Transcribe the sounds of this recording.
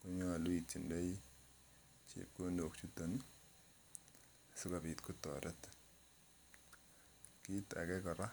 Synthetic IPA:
ko˦ɲɔ˦a˨lwi˨ti˨nde˦j | t͡ʃḛp̚ko˦ndo˨k̚t͡ʃu˦to˨n | sʊ˦ka˨pi˨tku˦tɔ̰˨ɾɛ˦t | ki˦ta̰˨kɛ˦kɔ˨ɾa˦

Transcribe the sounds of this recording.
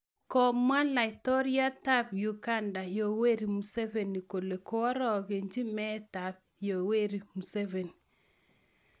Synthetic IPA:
kɔ˨mwa˦la˨ɪ˨tɔ˦ɾja˦ta˦pju˨ka˦nda˨jo˨we˦ɾi˨mu˨se˦ve˨ni˨ko˨le˨ko˦ɔ˦ɾɔ˨ɣe˨ɲd͡ʒi˦mɛ˦ta˨p̚jo˨we˦ɾi˨mu˨se˦ve˨ni

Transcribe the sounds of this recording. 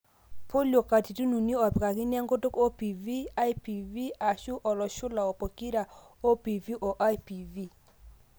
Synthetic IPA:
po˦lo˨ka˨ti˨tu˦nu˨ni˦ɔ˨pka˨kɪ˦nja˦ŋɡo˦to˦ko˦pi˨vi˦a˦i˦pi˨vi˦a˨ʃu˦ʔɔ˨lɔ˨ʃʊ˦la˨ɔ˨po˨ki˦ɾa˨ | o˦pi˨vi˦ʔo˨ʔa˦jpi˨vi˦˨

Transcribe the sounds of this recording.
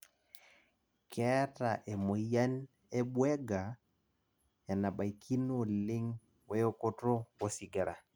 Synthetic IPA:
kʰɛ˦ta˨ʔɛ˨mo˨ja˦n | ɛ˦ɓwɛ˦ɡa˨ | ja˨na˨ɓa˨i˨kʰi˦no˦˨li˦ŋ | wɛ˦jo˦ko˦to˦wo˦si˨ɡa˨ɾa̰˨

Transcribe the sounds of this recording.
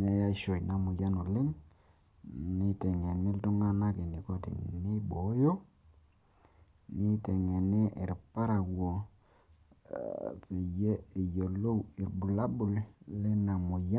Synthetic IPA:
ne˨ja˦ʃo˨jna˨mʊ˨ja˦no˨lɪ˦ŋ | nɪ˦tɛ˨ŋɛ˨nɪ˦ltʊ˦ŋa˦na˦ke˨ni˨ko˦tḭ˨ne˦bo˨˦jo˦ | nɪ˦tɛ˨ŋɛ˨ne˦ʔɪ˨ɾpa˦ɾa˨wo˨ | pe˨je˦e˨jo˨lo˦wi˨rbu˨la˦bʊ˨llɛ˦na˨mʊ˨ja˦

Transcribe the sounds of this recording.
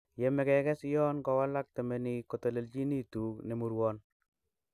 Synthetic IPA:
je˨mɛ˨kɛ˨kɛ˦sjɔ˦nkɔ˨wa˦la˦k̚tɛ˨meni˨ko˨to˨le˨lt͡ʃi˦ni˦tuː˨˦kne˨mu˨ɾwɔn

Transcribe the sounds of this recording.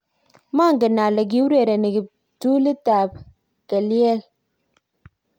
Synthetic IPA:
ma˦ŋ̩˨ɡə˨na˨lə˨ɡ̬i˦u˦ɾe˨ɾe˨ne˨ɡi˨ | tu˦li˦ta˨p̚ | ɡ̥a˨li˦e˦l

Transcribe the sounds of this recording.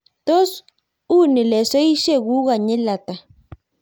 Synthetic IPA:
t̪o˦s | u˦ni˨le˨se˦jʃe˦ɣu˦ɣa˨ɲe˦la˨t̪a˨

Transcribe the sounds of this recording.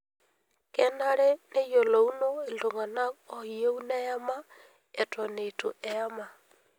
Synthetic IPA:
kɛ˦na˦ɾɛ˦ne˦jo˨lo˨u˦no˦e˨ndo˨ŋa˨na˦ɔ˨i˨o˦u˦nɛ˦a˦ma˦ | ɛ˨tɔ˨ne˨to̰˨ʔɛa˦ma˨

